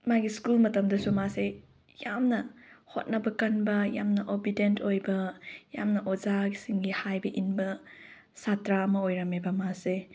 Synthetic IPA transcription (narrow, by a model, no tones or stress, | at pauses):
maɡiskulmɐtɐmdɐsumase | jamnɐho̰t̚nɐbɐkɐnbɐjamnɐʔobidentʰojbɐjamnɐʔozaɡisiŋɡihajbɐʔinbɐ | satɾaɐmɐojɾɐmebɐmase